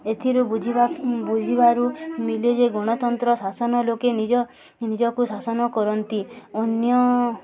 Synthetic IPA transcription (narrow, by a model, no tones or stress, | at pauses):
et̪ʰiɾubud͡ʒʱibabud͡ʒʱibaɾumiled͡ʒeɡoɽ̃ɔt̪ɔnt̪ɾɔsasɔnɔlokenid͡ʒɔ | nid͡ʒɔkusasɔnɔkɔɾɔnt̪ionjɔ